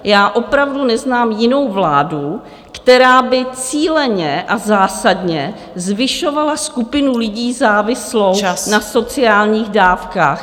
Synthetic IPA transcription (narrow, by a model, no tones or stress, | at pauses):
jaːʔo̞pɾavdunɛznaːmjɪno̞wvlaːdu | kt̪ɛɾaːbɪt͡siːlɛɲɛʔazaːsadɲɛ | zvɪʃo̞valaskupɪnulɪɟiːzaːvɪslo̞wnaso̞t͡sɪaːlɲiːɣdaːfkaːx